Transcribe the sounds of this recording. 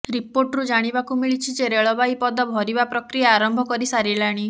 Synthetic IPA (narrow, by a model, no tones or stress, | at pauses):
ɾipoɾʈɾud͡ʒaɽ̃ibakumiɭit͡ʃʰid͡ʒeɾeɭɔbaipɔd̪ɔbʱɔɾibapɾɔkɾijaːɾɔmbʱɔkɔɾisaɾilaɽ̃i